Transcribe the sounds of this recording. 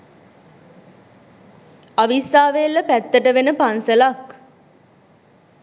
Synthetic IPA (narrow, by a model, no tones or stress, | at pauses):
aʋisaːʋelːəpæt̪ːəʈəʋenəpansəlak